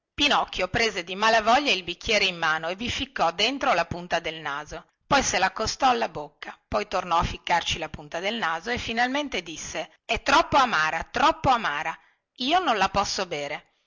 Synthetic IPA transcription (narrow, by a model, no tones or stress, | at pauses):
pinɔkːjopɾeːzed̪imalavɔʎːailbikːjɛːɾeimːaːnoevifikːɔd̪ent̪ɾolapunt̪ad̪elnaːzo | pɔjselakːost̪ɔalːabokːapɔjt̪ornɔafːikːart͡ʃilapunt̪ad̪elnaːzoefːinalment̪ed̪isːe | ɛt̪ːɾɔpːoamaːɾat̪ɾɔpːoamaːɾa | iːonõnlapɔsːobeːɾe